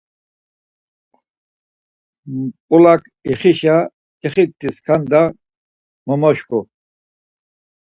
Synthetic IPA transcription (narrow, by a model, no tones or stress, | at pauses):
pʼulakʰ | iχiʃa | iχik̚t̪iskʰand̪a | mɔmɔʃku